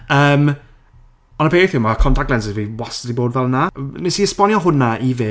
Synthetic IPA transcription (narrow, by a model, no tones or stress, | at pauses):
əːm | ɔnəpʰeːɪθɪwmakʰɔntʰak̚dlɛnsɪbiwasədiboːdvɛlˠnanɪsiəspɔnjɔɦʊnaʔive